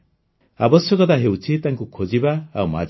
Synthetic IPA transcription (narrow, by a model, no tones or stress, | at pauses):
abɔsjɔkɔt̪aɦewt͡ʃʰit̪aŋkukʰod͡ʒibaːwma̰